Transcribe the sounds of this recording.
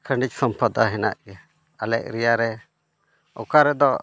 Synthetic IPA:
kʰəɳɖic̚sɔmpad̪aɦɛna̰ʔɡɛ | alɛ̰ʔ̚ɾijaɾɛ | ɔ̰kaɾɛd̪ɔ

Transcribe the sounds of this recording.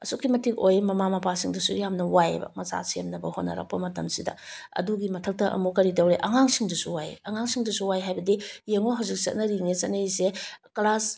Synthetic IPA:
ɐsukːimɐtikojmɐmamɐpʰasiŋdusujamnɐwajbɐ̰mɐza̰sijɐmnɐbɐhotnɐ̰ɾɐ̰k̚pɐmɐtɐmsidɐ̰ | ɐ̰duɡimɐtʰɐk̚tɐʔɐ̰mukɐɾitɐwɾeʔɐŋaŋsiŋdusuwajɐŋaŋsiŋdusuwajɦajbɐdijeŋoɦawzik̚t͡ʃɐ̰t̚nɐɾiŋet͡ʃɐt̚nɐiseklas

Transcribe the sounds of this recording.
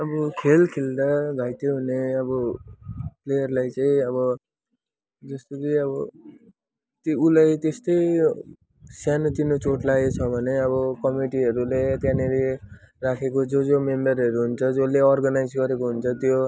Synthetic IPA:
ʌbʌkʰelkʰeld̪aɡʱajt̪oɦuneʌbʌ | plejʌrlajt͡saĩʌβʌ | d͡zʌst̪okiʌbʌ | t̪ulajt̪est̪ʌj | sjanot̪inot͡soʈlajt͡sʰʌbʱʌneʌbʌkʌmiʈiɦʌɾulet̪janeɾi | rakʰekod͡zod͡zomembʌrɦʌɾuɦunt͡sʰʌd͡zoleʌrɡʌnajd͡zɡʌɾekoɦunt͡sʰʌt̪jo

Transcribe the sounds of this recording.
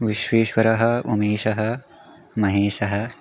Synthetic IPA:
ʋiʃweːʃwɐɾɐɦɐ̆ṵmeːʃɐɦɐ̆ | mɐɦeːʃɐɦɐ̆

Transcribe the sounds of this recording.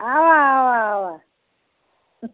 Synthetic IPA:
awaawaːwa

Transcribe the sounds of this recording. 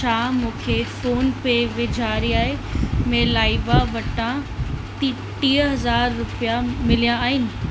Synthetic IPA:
t͡ʃʰaːmũːkʰefoːnpeʋɪd͡ʑʱaːɾiaːɦemẽlaːiʋaʋɐʈãt̪i | ʈiːəɦɐzaːɾːʊpijamɪlijãaːɦɪnɪ̆

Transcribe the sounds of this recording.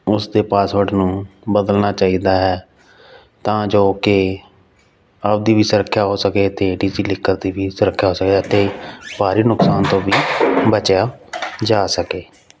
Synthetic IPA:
ʊsd̪eːpaːsʋəɖnũːbəd̪əlnaːt͡ʃaːiːd̪aːɦɛː | t̪ãːd͡ʒoːkɪ | əbd̪iːʋiːsʊɾəkʰːjaːɦoːsəkeːt̪eːɖiːd͡ʒiːlɪkːəɾd̪iːʋiːsʊɾəkʰːjaːɦoːsəkeət̪eːbaːɾiːnʊksaːnt̪õːʋiːbət͡ʃjaːd͡ʒaːsəkeː

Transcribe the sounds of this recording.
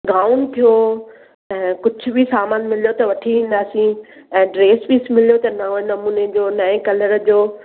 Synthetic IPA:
ɡaːʊnt̪ʰijo | ɛ̃ːkʊd͡ʑʱʊbʱisaːmaːnmɪlijot̪ɐʋɐʈʰiʋĩːn̆d̪aːsĩɛ̃ːɖɾeːspiːsmɪlijot̪ɐnɐnɐmuːned͡ʑoːnɐẽkɐləɾd͡ʑoː

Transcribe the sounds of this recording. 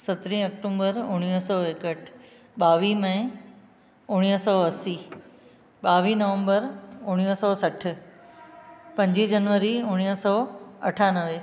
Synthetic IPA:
sɐt̪ɾĩɐk̚ʈõːmbəɾʊɽ̃ijsɔːeːkəʈʰ | ɓaːʋimɐ̃ɪ̃ | ʊɽ̃isɔːɐsiː | ɓaːʋinɐʋə̃mbəɾʊɽ̃ijsɔːsɐʈ̆ʰ | pɐ̃ɲd͡ʑid͡ʑɐnʋəɾiʊɽ̃isɔːɐ̰ʈʰaːnəʋeː

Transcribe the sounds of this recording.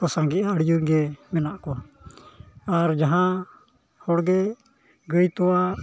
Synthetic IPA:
ɔsãŋɡɛʔaəɽijuɾɡɛmɛnaʔkɔ | aɾd͡ʒaɦã | hɔɽɡɛ | ɡəjt̪ɔa

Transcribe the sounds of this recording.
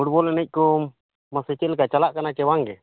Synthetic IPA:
uʈ̚bɔlnəc̚ˀkɔ | masət͡ʃɛlkat͡ʃalaʔkanakɛwaŋɡɛ

